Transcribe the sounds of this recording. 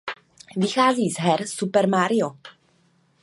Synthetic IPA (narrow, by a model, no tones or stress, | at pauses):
vɪxazisɦɛrsupɛrmaɾjɔ